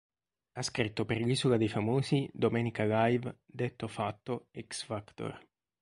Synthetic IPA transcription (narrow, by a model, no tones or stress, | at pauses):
askɾit̪ːoperʎiːsulad̪ejfamoːzid̪omɛːnikalajv | d̪et̪ːofat̪ːoɛksfakt̪o̰r